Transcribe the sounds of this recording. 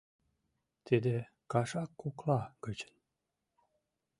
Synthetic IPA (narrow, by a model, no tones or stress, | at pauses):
t̪ʰid̪e | kɑʃɑkːuklɑkət͡ɕə̥n